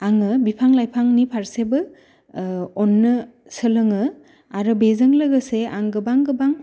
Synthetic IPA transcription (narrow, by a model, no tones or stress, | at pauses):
aŋɯbipʰaŋlajpʰaŋnipʰaɾsebɯ | ɔnːɯ | sɯlɯŋɯ | aɾɯbezɯŋlɯɡɯseaŋɡɯbaŋɡɯbaŋ